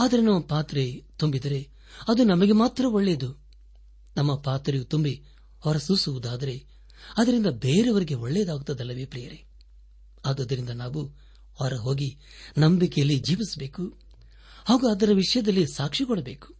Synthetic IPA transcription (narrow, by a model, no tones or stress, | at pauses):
aːd̪ɐɾenɐmːɐpaːt̪ɾet̪umbid̪ɐɾe̞ | ɐd̪unɐmɐɡe̞maːt̪ɾɐoɭːeːd̪u | nɐmːɐpaːt̪ɾejut̪umbi | hɔɾɐsusuʋud̪aːd̪ɐɾe̞ | ɐd̪ɐɾind̪ɐbe̞ːɾeʋɐɾiɡeoɭːeːd̪aːɡut̪ːɐd̪ɐlːɐʋepɾijɐɾe | aːɡ̪ɐd̪ɐɾind̪ɐnaːʋu | ɐɾɐɦo̞ːɡi | nɐmbikejɐlːid͡ʒiːʋisɐbe̞ːku | haːɡuɐd̪ɐɾɐʋiʂɐjɐd̪ɐlːisaːkʂikɔɽɐbe̞ːku̥